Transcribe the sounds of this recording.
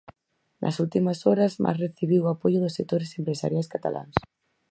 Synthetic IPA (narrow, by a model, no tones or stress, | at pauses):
nʔɐ̰sult̪imɐsɔɾɐzmʔa̰sreθiβiwapoʝʊðʊsːek̚t̪oɾesempɾesa̰ɾjajskat̪a̰lʔa̰ŋs